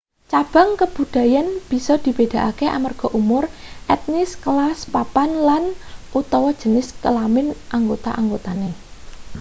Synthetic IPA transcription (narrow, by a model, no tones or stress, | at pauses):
t͡ʃab̥a̤ŋkəb̥ṳd̪̥a̤janb̥i̤sɔd̪̥i̤b̥ed̥̪a̤ʔakeʔa̰marɡ̥ɔ̤ʔumʊrʔɛt̪̚nɪskəlaspapanlanut̪ɔwɔ̥ʒ̥ə̤nɪskəlamɪnʔaŋɡot̪a̰ʔaŋɡot̪ane